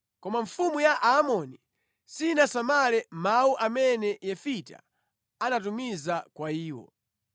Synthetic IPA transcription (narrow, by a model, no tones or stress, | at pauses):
kɔmaɱfumujaʔaːmɔni | sinasamalɛmauʔamɛnɛjɛfita̰ | anatumizakwaiːwɔ̰